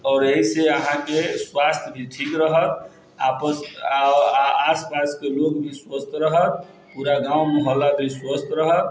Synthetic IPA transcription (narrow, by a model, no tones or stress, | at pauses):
ɔːɾeɦiseəɦãkeswast̪ʰjbʱiʈʰikɾəɦət̪ | a̰pəs | aspaskelokbʱiswəst̪ʰɾəɦət̪̚ | puɾaɡãwməɦəlːab̪ʱiswəst̪ʰɾəɦət̪